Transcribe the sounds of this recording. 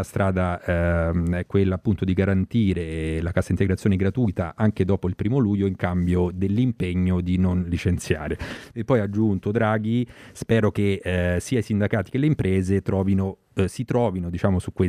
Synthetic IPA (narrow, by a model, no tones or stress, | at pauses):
ast̪ɾʔaːd̪a | ɛkːwelːaːpːunt̪od̪iɡaɾant̪iːɾelakasːaint̪eɡɾat̪sjoneɡɾat̪ujt̪a̰ʔaŋk̟ed̪ɔːpoilpɾiːmoluːjoiŋkambjod̪elːimpeɲːod̪inonlit͡ʃent̪sja̰ːɾeepːɔjad͡ʒːunt̪od̪ɾaːɡ̟ispɛːɾokesiːaisind̪akaːt̪i̥kelːeimpɾʔɛːzet̪ɾɔːvino | sit̪ɾɔːvinod̪it͡ʃaːmosukːwe